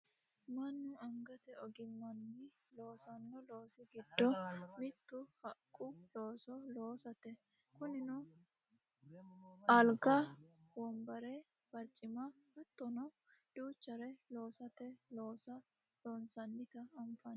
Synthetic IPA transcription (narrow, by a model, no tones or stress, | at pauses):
mɐnːʊɐŋɡɐt̪ɛɔɡɪmːɐnːɪ | lo̞ːsɐnːɔlo̞ːsɪɡɪd̪ːɔmɪt̪ːʊhɐkʼːʊloːsɔlo̞ːsɐt̪ɛ | kʊnɪnʊ | ʔɐlɡɐwɔmbɐɾɛ | b̥ɐɾt͡ʃʼɪmɐbɐt̪ːɔnɔ | d̪̥uːt͡ʃːɐɾɛlo̞ːsɐt̪ɛlo̞ːsɐ | loːnsɐnːɪt̪ɐːɱfɐn